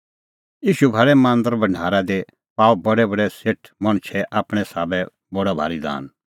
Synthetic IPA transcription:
jiːʃubʱaɾɛmãːnd̪əɾbɐ̃ɳɖ̤ʱaːɾad̪e | paːbɐɽɛbɐɽɛseʈʰmɐɽ̃t͡ʃʰɛʔaːpɽ̃ɛsaːbɛ | bɔɽabʱa̰ːɾid̪a̰ːn

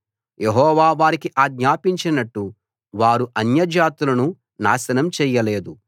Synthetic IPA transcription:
jʔeɦɔːʋaːʋaːɾikiʔaːɡɲaːpiɲt͡ʃinɐʈːu | ʋaːɾuʔɐnjɐd͡ʒaːt̪ulɐnu | naːʃɐnɐmt͡ʃɛːjːɐleːd̪u

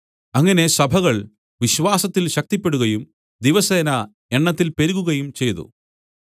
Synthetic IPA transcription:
ɐŋːɐne̞sɐbʱɐɣɐɭ | ʋiɕʋaːsɐt̪ːilɕɐk̚t̪ipːe̞ɽuɣɐjum | d̪iʋɐseːnɐ | e̞ɳːɐt̪ːilpeɾuɣuɣɐjumt͡ɕe̞jt̪ṵ

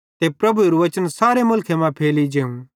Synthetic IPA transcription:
t̪epɾɐbuɾuʋɐt͡ʃənsaːɾemʊlkʰemãpʰeːlid͡ʒeːũ

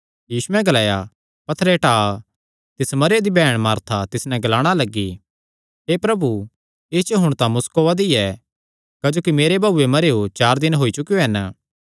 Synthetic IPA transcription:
jiːsuɛ̃ɡɐlaːja | pɐt̪ʰːɾɛʈaː | t̪ɪsmɐɾjad̪ibɛːɽ̃maːɾt̪ʰat̪ɪsnɛ̃ɡɐlaːɽ̃alɐɡːi | ɦeːpɾɐbu | ɪst͡ʃɦʊɽ̃t̪ãmʊskoʋad̪iɛ | kɐd͡ʒoːkimeːɾebʱaːuːemɐɾeot͡ʃaːɾd̪ɪnɦoːit͡ʃʊkijoɦɛnə

